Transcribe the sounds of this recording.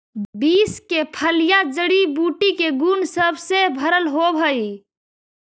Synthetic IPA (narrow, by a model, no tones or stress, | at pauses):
biskepʰəlijad͡ʒəɽibuʈikeɡunsəbʱsebʱəɾəlɦobʱəj